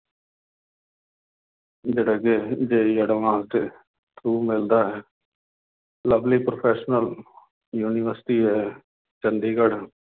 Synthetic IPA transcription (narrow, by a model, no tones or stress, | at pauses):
d͡ʒeːɽaɡeːd͡ʒeːjəɽʋãːt̪e | t̪uːmɪld̪aːɦɛː | ləbliːpɾoːpʰɛːʃnəl | juːniʋəɾsʈiːɦɛː | t͡ʃənd̪iːɡəɽ